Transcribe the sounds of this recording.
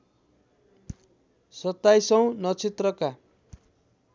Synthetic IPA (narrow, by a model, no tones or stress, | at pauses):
sʌt̪ːajsʌ̃w̃nʌt͡sit̪rʌka